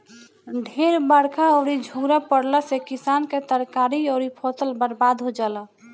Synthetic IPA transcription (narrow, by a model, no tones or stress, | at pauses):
ɖʱeɾbəɽkaɔːɾid͡ʒʱuɾapəɽləsekisanket̪əɾkaɾiɔːɾipʰot̪əlbəɾbad̪ɦod͡ʒalə